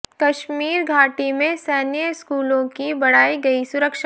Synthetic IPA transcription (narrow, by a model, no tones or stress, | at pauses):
kɐʃmiːɾɡʱaːʈimẽsɛːnɪjəskuːlõkibɐɽ̤aːiɡɐisʊɾəkʃa